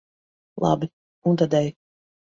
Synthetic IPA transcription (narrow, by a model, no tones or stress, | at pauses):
lˠa̰bi | unt̪ad̪ʲɛj